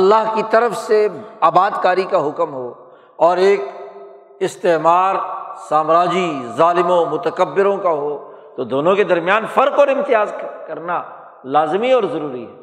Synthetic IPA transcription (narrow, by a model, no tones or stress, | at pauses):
ɐlːaɦkit̪ɐɾəfseaːbaːd̪kaːɾikaɦʊkmɦoː | ɔːɾeːk̚ | ɪst̪eɦmaːɾsaːmɾaːd͡ʒizaːlɪmõmʊt̪əkəbːɪɾõkaɦoː | t̪od̪oːnõked̪ɐɾmijaːnfɐɾkɔːɾɪ̃mt̪ɪjaːzkɐɾna | laːzɪmiɔːɾzɐɾuːɾiɦɛː